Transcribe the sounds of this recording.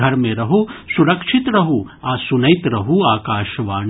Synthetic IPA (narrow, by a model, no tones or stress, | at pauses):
ɐɾmẽɾɐɦusuɾɐkʃʰɪt̪ɾɐɦu | aːsunɐɪt̪ɾɐɦuaːkaːʃʋaː